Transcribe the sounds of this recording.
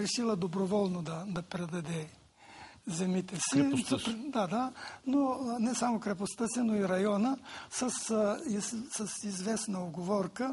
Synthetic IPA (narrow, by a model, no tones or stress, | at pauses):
ɾɛʃilˠəd̪obɾovɔlˠnod̪ɐd̪ɐpɾɛd̪ɐd̪ɛ | zɛmit̪ɛsiɾd̪ad̪anonɛsamokɾɛp̬ost̪əsinoiɾɐjɔnəsəsisəsizvɛsnəoɡovɔɾkə